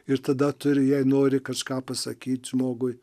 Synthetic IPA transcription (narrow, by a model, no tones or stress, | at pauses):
ɪɾt̪ɐd̪ɐt̪ʊɾʲɪjɛɪnoːɾʲɪkɐʃkɑːpɐsɐ̰kʲiːt̪ʲʒmoːɡʊj